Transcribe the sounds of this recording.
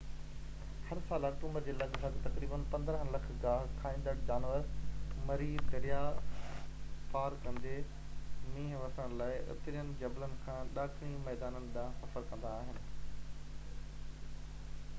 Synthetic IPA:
hɐɾsaːlɐkʈũːmbəɾd͡ʑeːlɐɠsɐɡt̪ɐkɾiːbənpɐ̃nd̪ɾə̃ɦlɐkʰɡaːɦkʰaːĩːn̆d̪əɽd͡ʑaːnʋəɾmɐɾid̪ɐɾija | paːɾkɐ̃nd̪e | mĩːɦʋɐsəɽ̃ə̃laːɪʔʊ̰t̪ɾijənɪ̆d͡ʑɐblənɪ̆kʰãːɗaːkʰɽĩmɛːd̪aːnənɪ̆ɗãsɐfəɾkɐ̃nd̪aːɦɪnɪ̆

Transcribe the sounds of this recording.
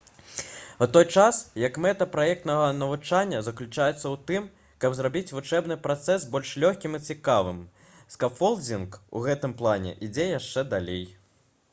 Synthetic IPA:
ut̪ɔjt͡ʂasjɐkmɛt̪ɐpɾajɛkt̪nɐɣɐnɐvut͡ʂanʲːɐzɐklʲut͡ʂajɛt̪sːɐwt̪ɨm | kɐbzrabʲit͡sʲvut͡ʂɛbnɨpɾat̪sɛsbɔlʲʂlʲɔxʲkʲimit͡sʲikavɨm | skafɔlˠd͡zʲinkṵɣɛt̪ɨmplˠanʲɛ̰ʔid͡zʲɛjaʂt͡ʂɛd̪alʲej

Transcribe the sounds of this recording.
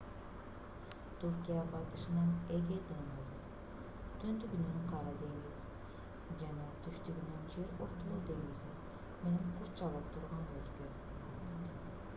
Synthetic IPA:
t̪ʰuɾkʲijabɑjt̪ɯ̥ʃɯnɑneɡʲed̪eŋɡizi | t̪ʰynd̪yɡʲynynyqʰɑɾɑd̪e̞ŋɡiz̥ | d͡ʒanɑt̪ʰyʃt̪yɡynynd͡ʒeɾoɾt̪olˠud̪e̞ŋɡizi | meneŋqʰuɾt͡ʃɑlˠɯp̚t̪ʰuɾʁɑnølkø

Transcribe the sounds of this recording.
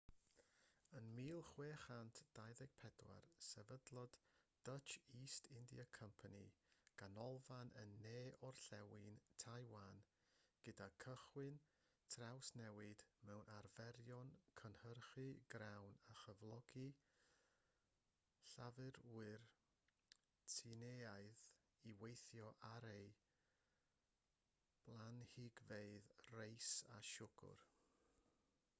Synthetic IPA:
ənmiːlˠχweːχantʰd̥ajðɛɡ̥̚pʰɛdwa̰rsɛvədlˠɔd̥d̥ət͡ʃiːstʰɪndḭakʰəmpʰanḭɡ̥anɔlˠvanə̰nːeːɔrɬɛwɨntʰajwan | ɡ̥ədakʰəχwɨn | tʰrawsnɛwɨd̥mɛwnʔarvɛɾjɔnkʰənhərχɨɡ̥ɾawnaχəvlˠɔɡ̥i | ɬavɨɾwɨr | tʰineajð | iwejθjɔʔaɾej | b̥lˠanhiɡveɨðrejsa̰ʃʊɡ̥ʊ̰r

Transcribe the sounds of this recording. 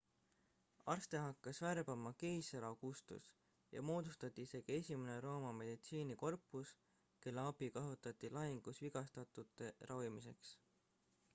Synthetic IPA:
ɑrst̪e̞ɦɑkːɑsværb̥ɑmɑkejseɾɑkust̪ṵs | jɑ̰mo̞ːd̪ust̪ɑt̪ʲːˑiise̞ɡie̞sʲimene̞ɾo̞ːmɑme̞d̪̥it̪siːniko̞rpːˑus | ke̞lːeɑbikɑɦot̪ˑɑt̪ːˑilɑɦiŋɡ̥usviɡ̥ɑst̪ɑt̪ːˑut̪ːˑe̞rʔɑvimis̬e̞ks

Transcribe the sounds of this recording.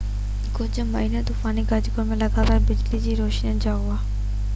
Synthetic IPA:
kʊd͡ʑmɐiːned̪ʊfaːniɡɐɾd͡ʑɡomẽlɐɡaːd̪aːbɪd͡ʑlid͡ʑiːɾoːʃnijənd͡ʑaːuaː

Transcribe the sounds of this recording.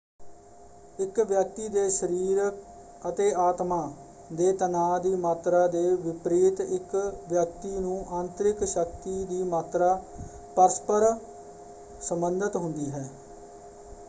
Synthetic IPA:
ɪkʋjək̚t̪iːd̪eːʃəɾiːɾək | ət̪eːaːt̪maː | d̪eːt̪ənaːd̪iːmaːt̪ɾaːd̪eːʋɪpɾiːt̪ɪkʋjək̚t̪iːnũːʔãːnt̪ɾɪkʃək̚t̪iːd̪iːmaːt̪ɾaː | pəɾəspəɾ | səmbənd̪ət̪ɦʊnd̪iːɦɛː

